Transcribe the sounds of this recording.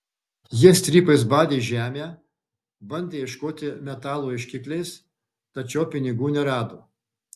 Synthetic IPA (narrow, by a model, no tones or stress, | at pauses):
jiɛsʲt̪ʲɾʲiːpɐɪs̬bɑːd̪ʲeːʒʲæːmʲeː | bɐnʲd̪ʲeːɪʃkoːt̪ʲɪmʲɛt̪ɑːlˠoːɪʃʲkʲɪklʲɛɪs | t̪ɐt͡ʃʲɛʊpʲɪnʲɪɡuːnʲɛɾɑːd̪oː